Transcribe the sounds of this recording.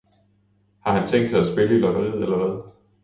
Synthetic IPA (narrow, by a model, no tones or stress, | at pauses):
hɑ̈hænt͡sʰeŋ̰d̥sɑ̈ɪæsb̥e̝ləilɒ̽ɡ̥ɐleð̞̰ˠelɐʋæð̞ˠ